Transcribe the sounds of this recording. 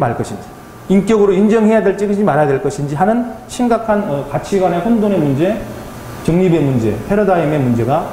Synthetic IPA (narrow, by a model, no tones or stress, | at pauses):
maɭk͈ʌɕʰind͡ʑi | ink͈jʌɡɯɾoind͡ʑʌŋɦe̞jadwe̞ɭt͡ɕ͈iɡɯd͡ʑimaɾɦajadweɭk͈ʌɕʰind͡ʑiɦanɯnɕʰimɡakʰanʌpat͡ɕʰiɡwane̞ɸondone̞mund͡ʑe̞ | t͡ɕʌŋɲibe̞mund͡ʑe̞̰pʰeɾʌdaime̞mund͡ʑe̞ɡa